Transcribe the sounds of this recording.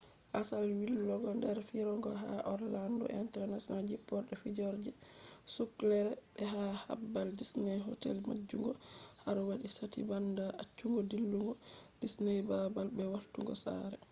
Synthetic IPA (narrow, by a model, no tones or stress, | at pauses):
ʔasalwilːɔɡɔndɛɾfiɾɔŋɡɔɦaʔɔɾlandɔ̰ʔintɛɾnatɔnald͡ʒipːɔɾɗɛfid͡ʒɔɾd͡ʒɛsuklɛɾɛbɛɦaha̰bːaldisnɛjɦɔtɛ̰lma̰d͡ʒːuŋɡɔhaɾwaɗisatḭbandaʔat͡ʃːuŋɡɔdilːuŋɡɔd̥isnɛjbabalbɛwaltuŋɡɔ̰sa̰ɾɛ